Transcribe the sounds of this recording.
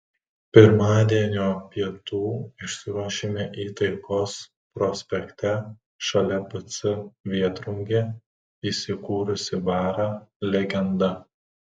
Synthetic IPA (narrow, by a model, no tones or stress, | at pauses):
pʲɪɾmɑːd̪ʲiɛnʲoːpʲiɛt̪uːɪʃʲsʲɪɾuɔʃʲeːmʲeʔiːt̪ɐɪkoːs | pɾɔsʲpʲɛkt̪ʲɛ | ʃɐlʲɛpɐt̪sɪʋʲiɛt̪ɾʊŋʲɡʲe | iːsʲɪkuːɾʊsʲɪbɑːɾɑlʲɛɡʲɛnd̪ɐ